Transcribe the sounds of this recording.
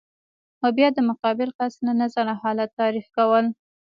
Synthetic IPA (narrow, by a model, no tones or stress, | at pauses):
xobjɑd̪əmʊqɑbɪlkɑsnanazanahɑlat̪ːɑɾixkawəl